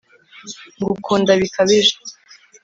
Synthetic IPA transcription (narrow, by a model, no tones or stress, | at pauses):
ŋɡukʰondaβikaβeʒḁ